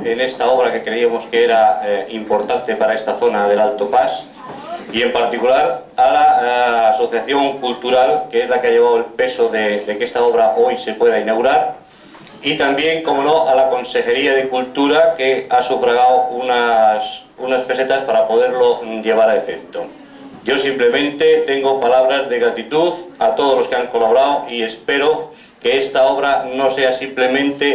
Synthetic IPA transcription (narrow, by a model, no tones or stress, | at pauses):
ene̞st̪ao̞β̞ɾake̞kɾe̞iamo̞skeeɾaimpo̞ɾt̪ant̪e̞paɾae̞st̪aθo̞naðe̞lalt̪o̞pas | ie̞mpaɾt̪ikulaɾalaːso̞θjaθjo̞ŋkult̪uɾalkeezlakeaʎe̞β̞awelpe̞soðed̪ekee̞st̪ao̞β̞ɾaʔo̞jse̞pwe̞ðainaɣuɾaɾ | it̪ambje̞ŋko̞mo̞noʔalako̞nse̞xe̞ɾiaðekult̪uɾake̞asufɾaɣ̞awunas | unaspe̞se̞t̪aspaɾapo̞ðe̞ɾlo̞ʎe̞β̞aɾaefekt̪o | ɟ͡ʝo̞simple̞mẽ̞nt̪e̞t̪e̞ŋɡo̞palaβ̞ɾazðe̞ɣɾat̪it̪uðat̪o̞ð̞ozlokeaŋko̞laβoɾawʔie̞spe̞ɾo̞ | ke̞est̪ao̞β̞ɾano̞se̞asimple̞mẽnt̪e̞